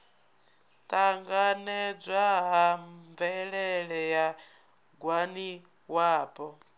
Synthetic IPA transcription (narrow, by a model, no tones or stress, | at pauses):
t̪aŋɡanɛd͡zʷaɦaɱvɛɺɛɺɛja | ɡwani | waːpɔ